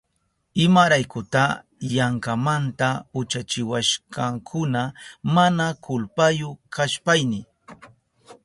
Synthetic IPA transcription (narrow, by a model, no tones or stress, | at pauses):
ɪmaɾajkʊt̪a | jaŋkamant̪aʊt͡ʃat͡ʃɪwaʃkɑŋkʰʊnamanakʊlpajʊkaʃpajnɪ